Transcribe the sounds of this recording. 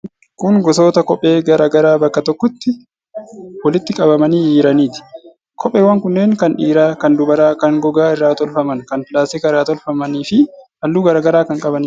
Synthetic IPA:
kʊŋɡɔs̬o̞ːt̪ɐkɔpʼːe̞ːɡɐɾaːɡɐɾaːbɐkːɐt̪ɔkːɔt̪ːɪ | wɐlɪt̪ːɪkʼɐbɐmɐniːjiːɾɐniːt̪ɪ̥ | kʰɔpʼːeːwɐŋkʊnːeːŋkɐnᶑiːɾaːkɐnd̪ʊbɐɾaːkɐŋɡɔɡaːɪrːaːt̪ɔlfɐmɐnkɐnfɪlaːseːkɐɾaːt̪ɔlfɐmɐniːfɪʔɐlːuːɡɐɾaːɡɐɾaːkɐŋkʼɐbɐniː

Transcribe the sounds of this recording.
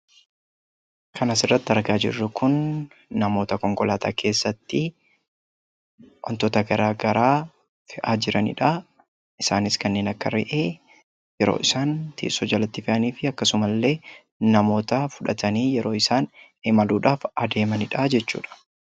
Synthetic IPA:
kʰɐnɐsɪrːɐt̪ːɪɐɾɡaːd͡ʒɪ̰rːʊkʊnː | ɐmo̞ːt̪ɐkɔŋkɔlaːt̪a̰ːkʰe̞ːsːɐt̪ːɪ | ʔɔ̰nt̪ɔt̪ɐɡɐɾaːɡɐɾaː | fɪʔaːd͡ʒɪɾɐnɪ̰ᶑɐ | ʔɪsaːnɪskɐnːe̞ːnɐkːɐɾɪ̰ʔeː | jɛɾo̰ːʔɪsaːnt̪ḭːsɔd͡ʒɐlɐt̪ːɪfɪʔɐniːfɪɐkːɐsʊmɐlːe̞ː | nɐmo̞ːt̪ɐfʊᶑɐt̪ʰɐniːjɛɾo̞ːɪsaːn | emɐluːᶑaːfɐd̪e̞ːmɐnɪᶑad͡ʒɛt͡ʃːṵːᶑɐ̥

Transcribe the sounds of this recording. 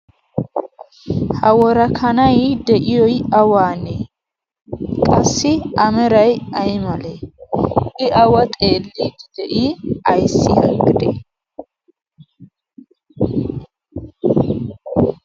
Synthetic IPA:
hɐwɔɾɐkʰɐnɐjd̪ɛʔɪjɔjɐwaːne | kʼɐsːɪʔɐmɛɾɐjɐjmɐle | ɪʔɐwɐt̪ʼe̞ːlːiːd̪ɪd̪̥ɛʔiɐjsːɪhɐ̰ɡɪd̪ɛ̰

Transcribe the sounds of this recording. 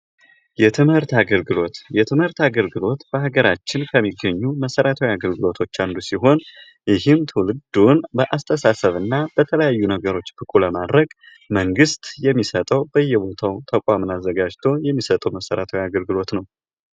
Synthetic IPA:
jɛt̪ʰɨmhɨɾt̪aɡəlɡɨlo̞t̪jɛt̪ʰɨmhɨɾt̪aɡəlɡɨlo̞t̪b̥əɦaɡəɾat͡ʃːɪnkʰəmːiɡːəɲːuməsəɾat̪ʰəwjaɡəlɡɨlo̞t̪ʰo̞t͡ʃːand̪usiɦo̞n | jɪɦɨmt̪ʰɨwlɨd̪unbəʔast̪ʰəsasəβɨnːab̥ət̪ʰələjajːunəɡəɾo̞t͡ʃːbɨkʼuləmad̪ɾəɡ | məŋɡɨst̪jɛmːisət̪ʼəwbəjːɛbo̞t̪ʰawt̪ʰəkʼʷamɨnazːəɡad͡ʒt̪ʰo̞jɛmːisət̪ʼəwməsəɾat̪ʰəwjaɡəlɡɨlo̞t̪nəw

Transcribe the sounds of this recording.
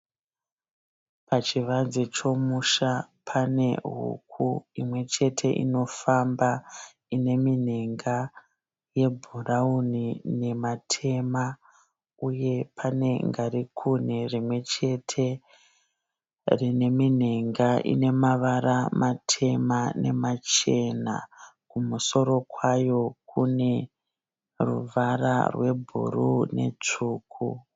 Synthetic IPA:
pʰat͡ʃiʋazet͡ʃo̞muʃa | pʰane̞̰ɦṵkʰuimwe̞t͡ʃe̞tʰe̞ʔḭno̞famba | ine̞min̤eŋɡa | je̞bʱuraunine̞matʰe̞ma | uje̞pʰane̞ŋɡaɾikʰunerimwe̞t͡ʃe̞tʰe̞ | rine̞min̤eŋɡaʔḭne̞maʋaɾamatʰe̞mane̞mat͡ʃe̞na̰kumuso̞ɾo̞kwajo̞kʰune̞ | rṵʋara̰rwe̞bʱṵrune̞̰t͡ʂuːkʰu

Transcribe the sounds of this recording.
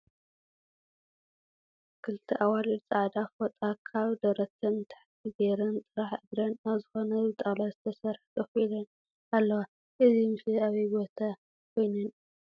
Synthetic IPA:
kʰɨlɨt̪ʰiʔawalɨt͡sʼaʕd̪afot̪ʼakʰaβd̪ɐɾɐt̪ʰɐnt̪ʰḁħt̪ʰibeɾɨnt̪ʼɨɾaħɨdɾɐnaβzɨxo̞nɐɨt̪ʼalazɨt̪ʰɐsɐɾħt̪ʰʼɐxilɐn | alːɐwa | ʔɨzimɨsiaβibo̞t̪ʰa | kʰo̞jnɨn

